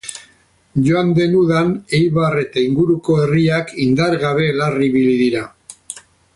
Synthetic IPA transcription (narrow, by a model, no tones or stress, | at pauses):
ʝo̞and̪e̞nuðane̞jβare̞t̪aiŋɡuɾuko̞e̞riakind̪aɾɣaβe̞lariβiliðiɾa